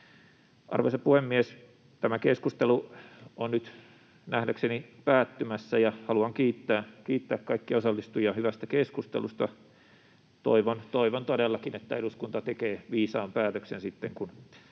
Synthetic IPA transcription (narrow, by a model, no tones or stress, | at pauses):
ʔɑ̰rʋo̰isɑpuhemːies | t̪æmækeskust̪eluonnyt̪ | næhdæksenipæːt̪ːymæsːæjɑhɑluɑŋkiːt̪ːæːkiːt̪ːæːkkɑikːiɑosɑlːist̪ujɑhyʋæst̪ækeskust̪ḛlust̪ɑ | t̪o̰iʋont̪oiʋont̪odelːɑkinet̪ːæeɾuskunt̪ɑt̪ekeːʋiːsɑːmpæːt̪øksensit̪ːeŋkun